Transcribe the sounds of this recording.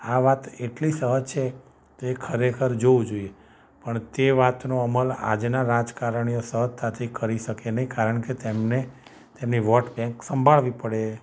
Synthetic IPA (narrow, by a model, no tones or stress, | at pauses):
aʋat̪eʈlisəɦəd͡ʒt͡ʃʰe | t̪oekʰəɾekʰəɾd͡ʒoũd͡ʒoie | pəɳt̪eʋat̪noəməla̰d͡ʒnaɾad͡ʒkaɾəɳ̃ijosəɦət̪ʰːat̪ʰikəɾiʃəkenəɦĩkaɾəɳket̪emne | t̪emniʋɔʈbɛ̃ŋksəmbʱaɭʋipəɽe